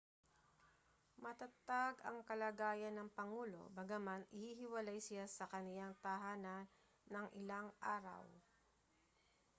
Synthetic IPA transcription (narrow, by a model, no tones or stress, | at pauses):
mɐt̪ɐt̪aɡɐŋkɐlaɡaːjɐnːɐŋpɐŋuːlo̞̰bɐɡɐmanʔɪhiɦɪwɐlajsɪjasɐkɐnɪjaŋt̪aɦaːnan | nːɐŋʔɪlaŋʔaːɾɐ̰w